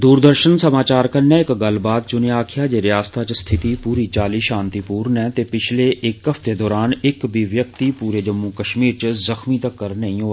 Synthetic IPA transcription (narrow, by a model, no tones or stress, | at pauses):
d̪uːɾd̪əɾʃənsəmaːt͡ʃaːɾkəneɪkɡəlbaːd̪̚t͡ʃʊneaːkʰɪjaːd͡ʒeːɾɪjaːst̪ʰat͡ʃst̪ʰɪt̪ipuːɾit͡ʃaːliːʃãːnt̪ipuːɾnɛ̃ːt̪epɪt͡ʃʰleːʔɪkəft̪ed̪ɔːɾaːnɪkbʱiʋjək̚t̪ipuːɾeːd͡ʒəmːukəʃmiːɾt͡ʃəzəxmit̪əkːəɾnəĩoː